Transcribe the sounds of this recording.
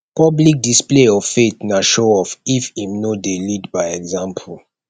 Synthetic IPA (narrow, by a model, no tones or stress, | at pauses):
pɔblik̚displeɔv̥fetnaʃoɔfifimnodelidbaɪɛɡzãmpʰul